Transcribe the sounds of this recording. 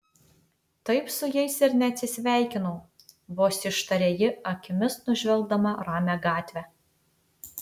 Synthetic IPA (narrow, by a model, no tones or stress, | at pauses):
t̪ɐɪpsʊjɛɪsɪɾnʲɛɐt̪ʲsʲɪsʲʋʲæˑɪkʲɪnɐʊ | boːsʲɪʃt̪ɐɾʲeːjɪɐkʲɪmʲɪsnʊʒʲʋʲɛlˠɡd̪ɐmɐɾɑːmʲæɡɑːt̪ʲʋʲæ